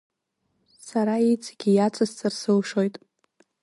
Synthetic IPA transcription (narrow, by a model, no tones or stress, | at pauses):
saɾaejt͡sʰʼaɡʲijat͡sʰʼast͡sʰʼɨrsɨlʂo̞jtʼ